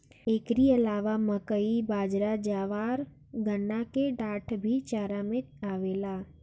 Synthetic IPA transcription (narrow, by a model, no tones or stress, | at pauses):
eːkɾiɐlaːʋaməkəibaːd͡ʒɾad͡ʒaːʋaːɾ | ɡənːakeɖaːʈʰbʱit͡ʃaːɾamẽ | aːʋeːlaː